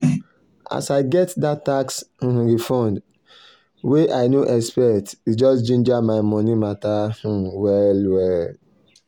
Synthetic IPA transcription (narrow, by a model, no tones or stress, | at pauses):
a̰saɪɡɛtdattaks̩ɦ̩ɾifɔ̃nd | weʔaɪnoʔɛspɛtid͡ʒɔsd͡ʒĩnd͡ʒamaɪmɔ̃nimatah̩wɛlwɛl